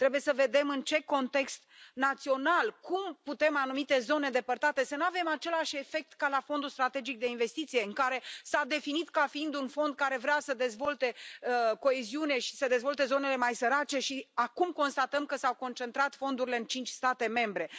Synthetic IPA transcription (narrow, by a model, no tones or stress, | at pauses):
t̪ɾe̞buje̞səve̞d̪e̞mɨnt͡ʃe̞ko̞nt̪e̞kst̪nat̪sio̞nalkumput̪e̞manumit̪e̞zo̞ne̞d̪e̞pərt̪at̪e̞sənuave̞mat͡ʃe̞laʃe̞fe̞k̚t̪kalafo̞nd̪ulst̪ɾat̪e̞d͡ʒik̚d̪e̞inve̞st̪it̪sije̞ɨŋkaɾe̞sad̪e̞finit̪kafiind̪unfo̞nd̪̚kaɾe̞vɾeasəd̪e̞zvo̞lt̪e̞əko̞e̞ziuneʃi̥səd̪e̞zvo̞lt̪e̞zo̞ne̞le̞majsəɾat͡ʃe̞ʃiakumko̞nst̪at̪əmkəsawko̞nt͡ʃe̞nt̪ɾat̪fo̞nd̪uɾile̞ɨnt͡ʃint͡ʃʲst̪at̪e̞me̞mbɾe̞